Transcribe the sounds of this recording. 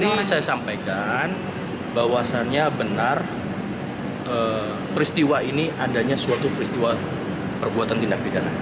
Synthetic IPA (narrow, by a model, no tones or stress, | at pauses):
nisajasampajkan | bawasanɲabənar | ʔə | pɾist̪iwainiʔadaɲasuat̪upəɾist̪iwa | pərbuat̪ant̪indak̚didana